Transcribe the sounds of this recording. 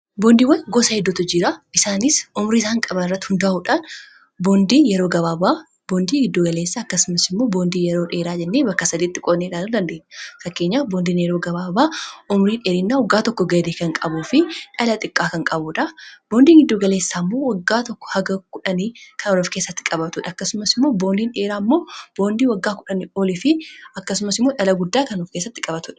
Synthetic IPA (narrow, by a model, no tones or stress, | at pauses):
boːnd̪iːwɐnɡoːsɐhɛd̪ːʊt̪ːʊd͡ʒiɾaɪsaːnɪsʊmɾiːs̬aːŋkʼɐbɐnɪrːɐt̪ːhʊnd̪aːhuᶑaːn | boːnd̪iːnjɛɾoːɡɐβaːbaː | boːnd̪iːɡɪd̪ːoːɡɐle̞ːsːaːɐkːɐsʊmɐsɪmːo̞ːboːnd̪iːjɛɾo̞ːᶑeːɾaːd͡ʒɛnːeːbɐkːɐsɐd̪iːt̪ːɪkʼoːnːeːᶑaːnʊd̪ɐnd̪eʔnːɛfɐkːe̞ːɲːaːfboːnd̪iːnjɛɾoːɡɐβaːbaːʔɔmʊɾiːneːɾɪnːaːwɔɡːaːt̪ɔkːɔɡɐd̪eːkɐŋkʼɐbuːfɪᶑɐlɐt̪ʼɪkʼːaːkɐŋkʼɐbʊᶑɐb̥o̞ːnd̪iːŋɡɪd̪ːoːɡɐle̞ːsːaːmːo̞ːwɐɡːaːt̪ɔkːɔ̥hɐɡɐkʊᶑɐniːkʰɐnɔlɔfkeːsːɐt̪ːɪ̥kʼɐbɐt̪ʊᶑɐɐkːɐsʊmɐsɪmːo̞ːbo̞ːnd̪iːnᶑe̞ːɾaːmːo̞ːb̥o̞ːnd̪iːwɐɡːaːkʊᶑɐnioːlɪfɪɐkːɐsʊmɐsɪmːoːᶑɐlɐɡʊd̪ːaːkɐnɔfke̞ːsːɐt̪ːɪkʼɐbɐt̪ʊᶑɐ̥